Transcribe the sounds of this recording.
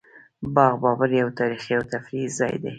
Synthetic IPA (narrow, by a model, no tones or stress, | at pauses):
bɑɣbɑbaɾjawt̪ɑɾixiawt̪afɾizɑ̰jd̪ḛ